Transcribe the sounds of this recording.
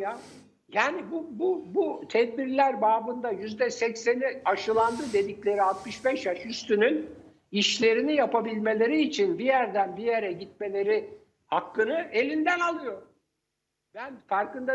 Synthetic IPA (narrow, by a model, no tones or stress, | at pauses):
ja | jaːnibububut̪ʰɛd̪biɾlʲæɾbaːbɯnd̪ajyzd̪ɛsɛcse̞niaʃɯlˠand̪ɯd̪e̞d̪iclʲe̞ɾialˠt̪̚mɯʃbɛʃjaʃyst̪ynyn | iʃlʲe̞ɾinijapabilʲme̞lʲe̞ɾiːt͡ʃʰinbijæɾd̪ænbije̞ɾɛɟit̪̚me̞lʲe̞ɾi | hakːɯnɯʔe̞lʲind̪ænalˠɯjo̞ɾ | b̥ænfaɾkɯnd̪a